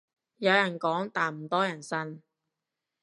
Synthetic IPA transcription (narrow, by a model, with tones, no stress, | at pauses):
jɐ˨˧wjɐ˨˩nkɔː˨˥ŋt̪aː˨nm̩˨˩t̪ɔː˥jɐ˨˩nsɐ˥n